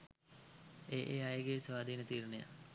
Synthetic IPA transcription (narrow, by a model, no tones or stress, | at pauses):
eːʔeːajəɡesʋaːd̪ʱiːnət̪iːɾəneja̰